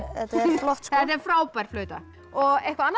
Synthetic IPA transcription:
ɛt̪flɔht̪θɛt̪ɛɾ̥fɾaːwpajɾ̥flœːɥt̪a | ɔɣɛhkvaanː

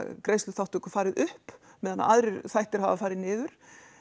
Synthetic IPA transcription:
kɾeːjst̪ʏθawht̪ukḁfaːɾɪðʏhp | mɛðana̰a̰ðɾɪɾθajht̪ɪɾ̥havafaːɾɪðnɪːðʏɾ̥

